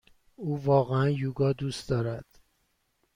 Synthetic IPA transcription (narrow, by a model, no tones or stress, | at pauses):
uːvɒːɣeænjuːɡɒːd̪uːst̪d̪ɒːɾæd̪̥